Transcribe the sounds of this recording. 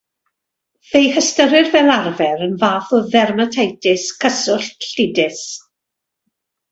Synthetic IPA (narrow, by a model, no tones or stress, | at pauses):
ðejhəstəɾɪrvɛlˠarvɛɾənvaːθɔðɛrmətʰejtʰɪskʰəsʊɬɬɪdɪs